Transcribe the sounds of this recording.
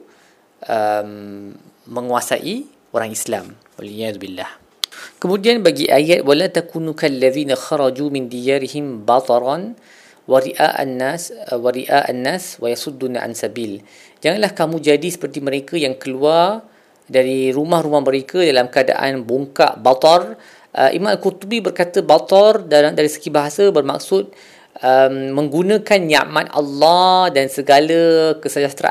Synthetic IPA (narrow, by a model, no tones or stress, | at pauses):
ʔəmː | ə̃ŋuasa̰ʔi | ʔoɾaŋislam | wa̰lijaðubilːah | kəmũdianbaɡiʔajat̪̚walat̪akunukalːaðiːnaxɑɾˤɑd͡ʒumɪnd̪ijaɾihɪmbɑt̪ˤɑɾˤɑn | waɾiʔa̰ʔnːaswaɾiʔaʔa̰nːaswajasud̪ːunaʕa̰nsabil | d͡ʒaŋanlahkamũd͡ʒadisə̥pərt̪iməɾekəjaŋkəluar | daɾiɾumahɾumahmə̃ɾekədalamkəada̰ʔa̰nbuŋka̰ʔbat̪ɔr | ʔəʔḭmãmalkurt̪ubibərkat̪əbat̪ɔrdadaɾisə̥ɡibaɦasəbərma̰k̚sʊt̪̚ | əmːə̃ŋɡunə̃kanjia̰ʔmat̪ʔa̰lːɑdansəɡaləkəsəd͡ʒast̪ɾa̰ʔ